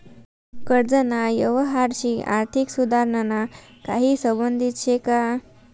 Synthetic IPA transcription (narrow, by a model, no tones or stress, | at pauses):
kəɾd͡zənajəʋəɦaɾɕiːa̰ɾt̪ʰiksud̪ʱaɾnənakaɦiːsəbənd̪ʱit̪ɕʰeka